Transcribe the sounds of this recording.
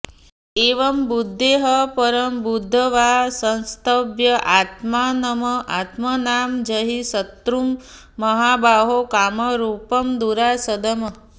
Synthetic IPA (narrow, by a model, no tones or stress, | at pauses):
eːʋɐmbud̪ʱːeɦəpɐɾəmbud̪ʱːəʋasɐ̃nst̪ʰəbjɐʔaːt̪maːnɐmɐʔat̪mɐnaːmd͡ʒɐɦisɐt̪ɾumː | ɐɦaːbaːɦokaːmɐɾuːpɐmd̪uɾasɐd̪ɐmɐ